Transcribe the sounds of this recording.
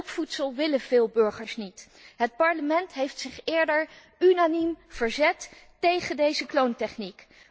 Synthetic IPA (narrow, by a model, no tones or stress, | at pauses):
lˠpfutsəlˠʋɪləv̥ɪːlˠbɵɹχəɹsnit | ɦət̚pɑɹləmɛntɦejftsɪχɪːɹdəɹ | ynanimv̥əɹzɛtː | ejχəndejzəklowntɛχnik